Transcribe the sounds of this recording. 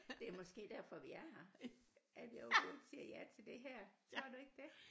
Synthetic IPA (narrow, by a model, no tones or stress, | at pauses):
d̥e̝æɐmɒ̽sɡ̥e̝̰ːd̥æɐ̰fɒ̽ʋiæh | æɐʋiɒʊɡo̥siɐjæt͡sʰe̝ld̥e̝ɦæɐ̰t͡sʰʁɒɐd̥ue̝ɡ̥̚d̥e̝